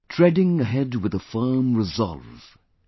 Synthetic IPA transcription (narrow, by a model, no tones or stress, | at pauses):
tʰɹ̥ɛdɪ̃ŋɨɦɛd̚wɨðəfɜ˞mɹɨzɑ̰lˠv̥